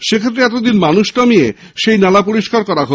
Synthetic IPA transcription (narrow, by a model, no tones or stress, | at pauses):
ʃekʰet̪̬ːɾeɛt̪od̪inmanuʃʈamie | ʃejnalapoɾiʃkaɾkɔɾaɦo